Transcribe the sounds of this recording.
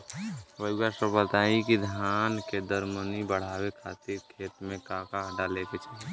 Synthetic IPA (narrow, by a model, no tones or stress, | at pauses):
ʋəɪɡasəbət̪aikid̪ʱjanked̪əɾmənibəɽ̤aːwekʰat̪iɾkʰeːt̪mẽkakaɦəɖaleket͡ʃʰa